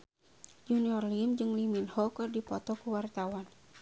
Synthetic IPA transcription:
d͡ʒuniɔrlimd͡ʒɨŋliminhɔkɨrdipɔt̪ɔkuwart̪awan

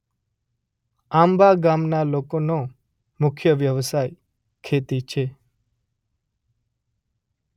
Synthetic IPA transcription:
ambaɡamnalokono | mʊkʰjəʋjəʋsaj | kʰet̪it͡ʃʰe

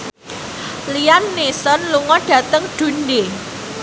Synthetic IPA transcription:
lianːisɔnluŋɔɖ̥a̤t̪əŋɖ̥ṳnde

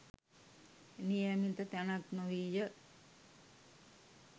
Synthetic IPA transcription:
nijamint̪ət̪ænaknoʋijə

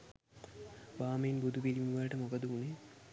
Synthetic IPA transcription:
ʋaːməjinbud̪ʱupiɾiməʋəlʈəmokəd̪uune

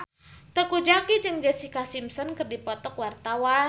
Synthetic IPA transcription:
t̪əkud͡ʒakid͡ʒɨŋd͡ʒɛsikasimsɔnkɨrdipɔt̪ɔkwart̪awa

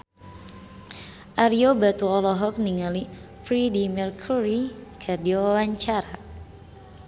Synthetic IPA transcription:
ʔaɾiobat̪uɔlɔɦɔk̚niŋali | fɾidimɛrkʰuɾikʰadioawaɲt͡ʃaɾa

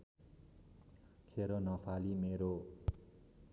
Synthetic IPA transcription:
kʰeɾonʌpʰalimeɾo

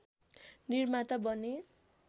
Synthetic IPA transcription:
nirmat̪ʌbʌne

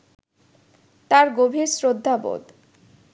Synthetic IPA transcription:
t̪aɾɡobʱiɾsɾod̪ʱːabo̰d̪

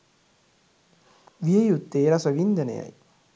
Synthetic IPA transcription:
ʋiejut̪ːeːɾasɐʋind̪ɐnḛjɐ̰j

